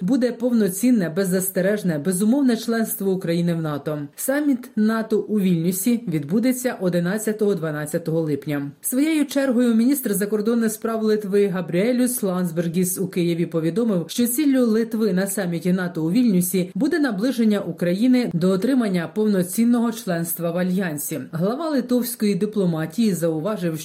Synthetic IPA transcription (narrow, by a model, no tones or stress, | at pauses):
bud̪ɛpɔwnɔt͡sʲinːɛbɛzːɐst̪eɾɛʒnɛbɛzʊmɔwnɛt͡ʃlˠɛnst̪ʋɔukɾɐjinɪwnɑt̪ɔsɑmʲit̪nɑt̪ɔʔuʋʲilʲnʲusʲiʋʲid̪bud̪et͡sʲːɐʔɔd̪ɪnɑt͡sʲːɐt̪ɔɦɔd̪ʋɐnɑt͡sʲːɐt̪ɔɦɔlˠɪpnʲɐsʋɔjejʊt͡ʃɛrɦɔjʊmʲinʲist̪rzɐkɔrd̪ɔnːɪxspɾɑwlˠɪt̪ʋɪɦɐbɾʲiɛlʲʊslˠɑnzberɡʲisukɪjiʋʲipɔʋʲid̪ɔmɪwʃt͡ʃɔt͡sʲilʲːʊlˠɪt̪ʋɪnɐsɑmʲːitʲinɑt̪ɔuʋʲilʲnʲʊsʲibud̪ɛnɐblˠɪʒenʲːɐʔukɾɐjinɪd̪ɔːt̪ɾɪmɐnʲːɐpɔwnɔt͡sʲinːɔɦɔt͡ʃlˠɛnst̪ʋɐwɐlʲjɑnʲsʲiɦlˠɐʋɑlˠɪt̪ɔwsʲkɔjid̪iplˠɔmɑtʲijizɐʊʋɑʒɪwʃ